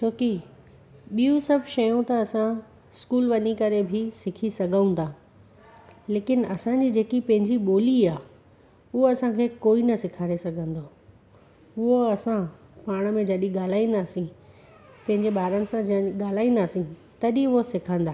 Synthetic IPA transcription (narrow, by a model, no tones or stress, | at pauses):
t͡ɕʰoːki | ɓijũsɐbʱʃɐjõt̪ɐːsã | ɪskuːlʋɐɲikɐɾebʱɪsɪkʰisɐɡʱə̃ũnd̪aː | leːkɪnɐsãɲd͡ʑiːd͡ʑeːkipɐ̃ɦɪ̃ɲd͡ʑiɓoːliaː | ʊɦoɐsãkʰeːkoːinɐsɪkʰaːɾesɐɡʱə̃nd̪oː | ʊɦoɐsãpaːɽ̃mẽd͡ʑɐɗiɠaːl̤aːĩːn̆d̪aːsĩ | pɐ̃ɦɪ̃ɲd͡ʑeɓaːɾənɪ̆sãɠaːl̤aːĩːnd̪aːsĩt̪ɐɗĩʊɦosɪkʰə̃nd̪aː